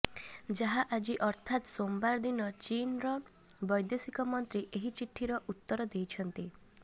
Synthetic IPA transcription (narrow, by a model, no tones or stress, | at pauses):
d͡ʒaɦaʔad͡ʒiʔɔɾt̪ʰat̪sombaɾd̪inɔt͡ʃinɾɔ | bɔjd̪esikɔmɔnt̪ɾiʔeɦit͡ʃiʈʰːiɾɔʔut̪ːɔɾɔd̪ejt͡ʃʰɔnt̪i